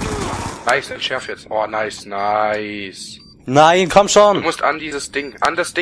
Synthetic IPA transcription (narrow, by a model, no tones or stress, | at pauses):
naɪsɛnʃɛɐfɛtsʔɔːnaɪsnaɪs | naɪnkʰɔmʃɔnmʊsta̰ndiːzəsd̥ɪŋʔa̰ndasd̥ɪ